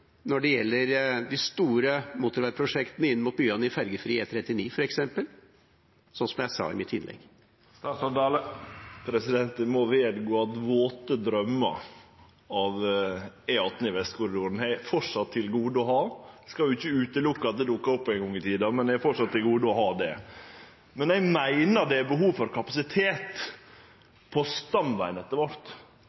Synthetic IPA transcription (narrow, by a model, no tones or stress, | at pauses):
nɔɖɛjɛlːəɾd̪ɪst̪uːɾəmuːt̪əɾʋæɾpʰɾʊʂɛkt̪ənəɪnːəmʊːt̪̚byːɑnəɪfæɾɡəfɾiːet̪ʰɾɛt̪ːɪniːfɔɾɛksɛmpəl | sɔnsɔmjæɪsɑ̰ːɪ̰mɪt̪ʰːɪnlɛ̰ɡ̪ | sd̪ | pʰɾɛsɪd̪ɛnt̪ənmɔʋeːd̪ɡoːɑt̪ʋoːt̪əd̪ɾœmːə | ɑʋ | æɪɑt̪nəɪʋɛst̪kʰʊɾɪd̪uːɾənæɪfɔʂɑt̪ʰːɪlɡuːd̪əɔɦɑːskɑljʊɪçːəʉːt̪əlʊkːɑɑt̪̚d̪ɛd̪ʊkːɑɾɔpːɔæɪŋɡɔŋːɪt̪ʰiːd̪ɑmɛnd̪ɛæɾfɔʂɑt̪ʰːɪlɡuːd̪əɔɦɑːd̪ɛ̰ | mɛnæɪmæɪnəd̪ɛæbəɦuːʋfɔɾkʰɑpɑsɪt̪ʰeːt̪ | pʰɔst̪ɑmbæɪnɛt̪ːəɾʋɑɾt̪